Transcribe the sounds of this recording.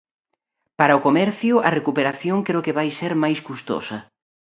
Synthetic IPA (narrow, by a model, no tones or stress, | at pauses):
paɾɐʊkomɛɾθjʊɐrekupeɾaθjoŋkɾeʊkeβajseɾmajskust̪o̰sɐ